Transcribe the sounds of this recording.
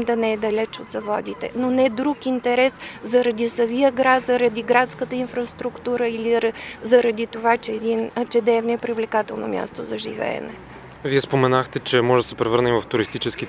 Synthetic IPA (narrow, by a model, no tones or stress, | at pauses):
md̪ɐnɛːɛd̪ɐlɛt͡ʃot̪zɐvɔd̪it̪ɛ̰nonɛd̪ɾukint̪ɛɾɛszɐɾɐd̪isɐviəɡɾat̪zɐɾɐd̪iɡɾat̪skət̪əinfɾɐst̪ɾukt̪uɾəiliɾzɐɾɐd̪it̪ovat͡ʃɛːd̪int͡ʃɛd̪ɛvnoɛpɾivlɛkat̪ɛlˠno̰mʲja̰st̪ozɐʒḭvɛ̰ɛ̰nɛ̰ | viɛspomɛnaxt̪ɛt͡ʃɛmɔʒɛd̪sɛpɾɛvɤɾnəivɐft̪uɾist̪it͡ʃɛski